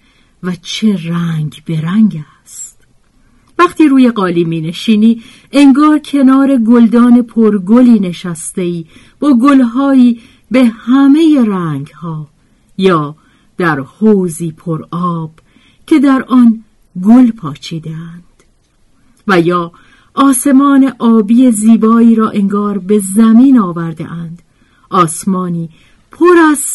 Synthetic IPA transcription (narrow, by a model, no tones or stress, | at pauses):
væt͡ʃʰe̞ɾæŋɡbe̞ɾæŋɡæ | st̪ | væχt̪ʰiːɾuːje̞ɢɒːliːmiːne̞ʃiːniː | ʔe̞ŋɡɒːɾcʰe̞nɒːɾe̞ɡold̪ɒːne̞pʰoɾɡoliːne̞ʃæst̪e̞iː | b̥ɒːɡolɦɒːiː | be̞hæme̞je̞ɾæːŋɡhɒː | jɒː | d̪̥æɾhoːziːpʰoɾɒːb̥ | cʰe̞d̪æɾʔɒn | ɡolpʰɒːt͡ʃʰiːd̪eænd̪̥ | væjɒː | ʔɒːse̞mɒːne̞ʔɒːbiːeziːbɒːiːɾɒːʔe̞ŋɡɒːɾbe̞zæmiːnɒːvæɾd̪ḛʔænd̪̥ | ʔɒːsmɒːniː | pʰoɾæz